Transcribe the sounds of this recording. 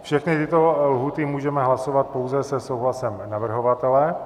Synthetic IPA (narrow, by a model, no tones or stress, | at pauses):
fʃɛxnɪt̪ɪt̪olɦuːt̪ɪmuːʒɛmɛɦlasovat̪̚powzɛsɛsowɦlasɛmnavr̩ɦovat̪ɛlɛ